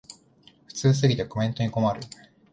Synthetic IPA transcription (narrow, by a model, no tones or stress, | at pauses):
ɸɯ̟̥t͡sɨːs̬ɨɡʲit̪eko̞mẽ̞nt̪o̞ɲ̟iko̞maɾɯ̟